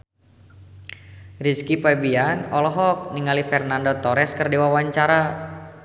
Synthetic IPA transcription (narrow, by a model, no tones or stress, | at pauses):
riskipabianɔlɔɦɔk̚niŋalifɛrnandot̪ɔɾɛskərdiwawaɲt͡ʃaɾa